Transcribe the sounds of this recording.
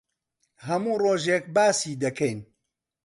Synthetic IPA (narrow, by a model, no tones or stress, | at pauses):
ɦɐmuːroːʒek̚baːsiːd̪ɐkʰɛjn